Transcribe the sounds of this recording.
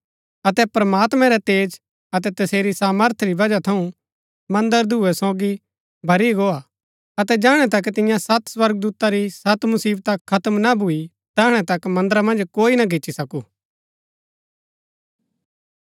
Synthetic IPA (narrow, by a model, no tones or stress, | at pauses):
ɐt̪ɛpɾɐmaːt̪mɛ̃ɾɛt̪eːd͡ʒ | ɐt̪ɛt̪ɐseːɾisaːməɾt̪ʰɾibɐd͡ʒat̪ʰɐũ | mɐ̃nd̪əɾd̪ʱuɛsoːɡi | bʱɐɾiɡoːa | ɐt̪ɛd͡ʒaːɽ̃ɛt̪̬ɐk̬ːt̪ɪ̃jãsɐt̪swɐɾɡ̚d̪uːt̪aɾisɐt̪mʊsiːbt̪ɐkʰːɐt̪əmnabʱui | t̪ɐːɽ̃ɛt̪ɐkmɐ̃nd̪əɾamɐ̃nd͡ʒkoːinaɡɪt͡ʃːʃisɐkuː